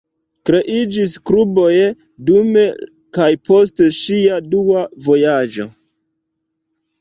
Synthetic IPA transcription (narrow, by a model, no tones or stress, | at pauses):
kɾe̞ʔid͡ʒiskɾubo̞je | dume̞ | kajpo̞s̬teʃiaduavo̞jad͡ʒo̞